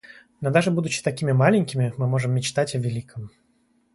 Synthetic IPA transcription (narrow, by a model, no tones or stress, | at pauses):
nod̪aʐɨbud̪ʊt͡ɕɪ̥t̪ɐkʲimʲɪmalʲɪnʲkʲɪmʲɪmɨmo̞ʐɨmːʲɪt͡ɕt̪atʲɐvʲɪlʲikʰɨm